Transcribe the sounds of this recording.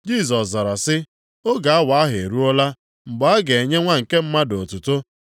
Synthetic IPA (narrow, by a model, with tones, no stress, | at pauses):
d͡ʒi˦˨s̬ɔ˨sza˨ɾa˨sɪ˦ | o˦ɡa˨a˦wa˨a˦ɦe˨ɾu˦ɔ˦la˦ | ŋ͡m̩˨ɡ͡bɔ˨a˦ɡe˨e˨ɲe˦ŋʷa˦ŋ̩˨ke˦m̩˦ma˦do˨tu˨to˦